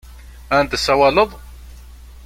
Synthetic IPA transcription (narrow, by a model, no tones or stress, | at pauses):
ænd̪əsːæwɑləðˤ